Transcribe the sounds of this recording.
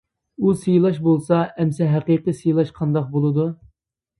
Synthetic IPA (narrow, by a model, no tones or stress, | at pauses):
usijlˠɑʃbolˠsɑɛmsɛɦæqiqəsijlˠɑʃqʰɑnd̪ɑq̚bolˠɨd̪u